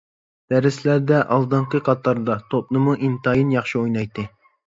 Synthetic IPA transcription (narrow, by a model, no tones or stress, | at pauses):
d̪̥æɾɪslæɾd̪ɛʔɑlˠd̪ɨɴqɨqʰɑt̪ʰːɑɾd̪ɑt̪ʰop̚nɨmuʔimt̪ɑjinjɑχʃiojnɑjt̪ʰːɨ